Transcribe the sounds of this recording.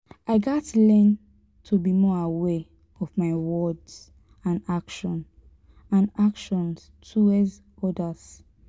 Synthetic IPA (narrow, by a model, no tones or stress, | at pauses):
ʔaɪɡatlɛ̃n | tʰubimɔawɛ | ɔvmaɪwɔdz̥ | ãnakʃɔ̃n | ãnakʃɔ̃ns | tʰuɛz | ɔdaz̥